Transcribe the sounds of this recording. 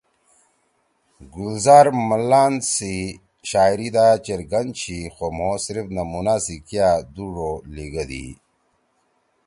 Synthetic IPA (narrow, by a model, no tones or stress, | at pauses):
ɡulzaːɾməlːaːnsi | ɕaːjɾid̪at͡ɕeɾɡɐnt͡ɕʰixomoːsɾifnɐmunasikjad̪uʐoliɡəd̪ḭ